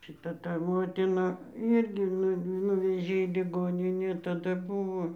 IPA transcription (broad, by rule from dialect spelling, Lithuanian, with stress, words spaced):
ʃʲɪˈtɐ tɐ ˈmoːtʲɪnɐ ˈiːrʲɡʲɪ ˈnʊ ˈnʊʋʲɛʒʲeː iː lʲɪˈɡoːnʲɪnʲeː tɐˈdɐ ˈbʊʋoː